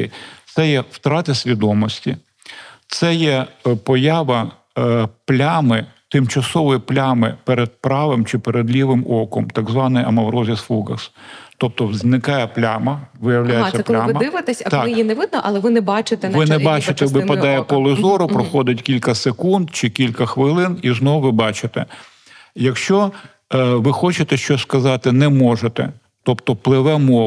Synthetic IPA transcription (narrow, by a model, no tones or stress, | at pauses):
t̪sɛjɛwt̪ɾɑt̪ɪsʲʋʲid̪ɔmɔsʲtʲi | t̪sɛjɛpɔjaʋɐ | plʲamɪt̪ɪmt͡ʃɐsɔʋɔjiplʲamɪpeɾɛd̪̚pɾɑʋɪmt͡ʃɪpeɾed̪lʲiʋɪmɔkɔmt̪ɐɡzʋɑnɪjɐmɐʋɾɔzʲisfuɡɐst̪ɔp̚t̪ɔwznɪkɑjɛplʲamɐʋɪjɐwlʲajesʲːɐplʲˠaɪmɐd̪ɪʋɪt̪ɛsʲɐt̪ɑkɪjinɛʋɪd̪̚nɔʔɐlˠɛʋɪnɛbɑt͡ʃɪt̪ɛnʋɪnɛbɑt͡ʃɪt̪ɛʋɪpɐʋ̪ɑjɛpɔlˠɪzɔɾʊpɾɔxɔd̪ɪtʲkʲilʲkɐsekund̪t͡ʃɪkʲilʲkɐxʋɪlˠɪniznɔʋʊʋɪbɑt͡ʃɪt̪ɛ | jɐkʃt͡ʃɔ | ʋɪxɔt͡ʃɪt̪ɛʃt͡ʃɔskɐzɑt̪ɪnɛmɔʒet̪ɛ̰ | t̪ɔpt̪ɔplˠɪʋɛmɔ